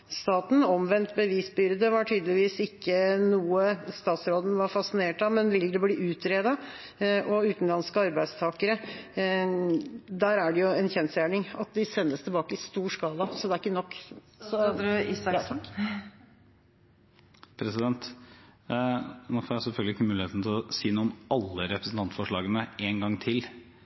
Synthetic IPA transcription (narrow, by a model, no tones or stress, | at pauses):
st̪ɑːt̪n̩ɔmʋɛnt̪bəʋiːsbʏɾd̪əʋɑʈʰyːd̪əlɪʋiːsɪkːənuːəst̪ɑːt̪sɾoːd̪n̩ʋɑɾfɑsɪneːʈɑmɛnʋɪlːəd̪ɛbliːʔʉːt̪ɾeːd̪ɑ | ʔɔʉːt̪n̩lɑnskəɑɾbæɪst̪ʰɑːkəɾə | d̪æːɾæɖɛjʊɛnçɛnsjæːɳɪŋɑt̪̚d̪ɪsɛnːəst̪ʰɪlbɑːkəɪst̪uːʂkɑːlɑsɔd̪ɛæɾɪkːənɔkː | sɔ | pʰɾɛsɪd̪ɛnt̪ | nofɔːɾæɪsɛlfœlɡlɪkːəmʉːlɪeːt̪n̩t̪ʰɪlɔsiːnuːɔmɑlːəɾɛpɾəsn̩t̪ɑnt̪fɔʂɭɑːɡənəeːnɡɑŋːt̪ʰɪl